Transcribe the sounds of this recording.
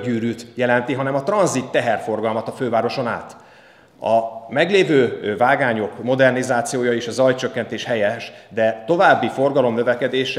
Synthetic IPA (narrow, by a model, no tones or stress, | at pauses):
ɟyːɾyːt̪jɛlɛnt̪iɦɒnɛmɒt̪rɒnzit̪ːɛɦɛrfo̞rɡɒlmɒt̪ɒføːvaːɾo̞ʃo̞na̰ːt̪ | ɒmɛɡleːvøːvaːɡaːɲo̞kmo̞d̪ɛrnizaːt̪sijoːjɒeːʃɒzɒjt͡ʃøkːɛnt̪eːʃhɛjɛʃd̪ɛt̪o̞vaːbːifo̞rɡɒlo̞mnøvɛkɛd̪eːʃ